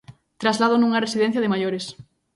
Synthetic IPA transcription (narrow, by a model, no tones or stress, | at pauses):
t̪ɾazlað̞onũŋɐresiðɛ̃n̟θjɐðɪmajoɾes